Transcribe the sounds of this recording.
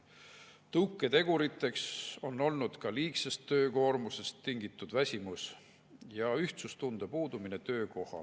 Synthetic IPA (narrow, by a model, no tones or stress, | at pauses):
t̪ɤwkːˑet̪e̞ɡ̥uɾit̪ːˑe̞kso̞nːo̞lnud̪̥kɑliːksest̪ːø̞ːko̞ːɾmuse̞st̪ːiŋɡ̥it̪ːˑud̪̥væsʲimus | jɑyht̪sust̪und̪̥epuːd̪̥uminet̪ø̞ːko̞hɑ̰